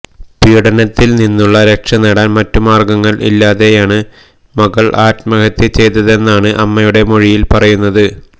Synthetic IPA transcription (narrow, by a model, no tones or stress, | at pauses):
piːɽɐnɐt̪ːilninːuɭːɐɾekʂɐnɐɽaːnmɐtːumaːrɡɐŋːɐɭʔḭlːaːðe̞jaːɳɨ | mɐɣɐɭʔaːtmɐɣɐt̪ːjɐt͡ɕe̞jt̪ːɐðe̞nːaːɳɨʔɐmːɐjuɽe̞moɻijilpɐrɐjunːɐðɨ